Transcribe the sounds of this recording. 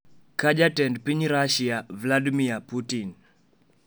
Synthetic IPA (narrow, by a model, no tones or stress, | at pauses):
kaʄatɛndpiɲɾaʃiavladimiaputin